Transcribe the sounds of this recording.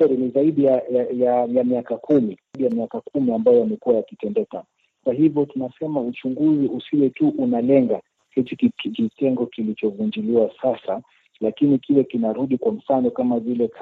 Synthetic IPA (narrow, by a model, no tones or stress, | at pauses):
ɛɾinizaiɗijaajajamiakakumiɗijamiakakumiambajɔjamɛkuwajakitɛndɛka | kwaɦivjɔtunasɛmaut͡ʃuŋɡuziʔusiwɛtuʔunalɛŋɡa | hɛtikkitɛŋɡɔkilit͡ʃɔvund͡ʒiliwasasa | lakinikilɛkinaɾuɗikwam̩fanɔkamavilɛk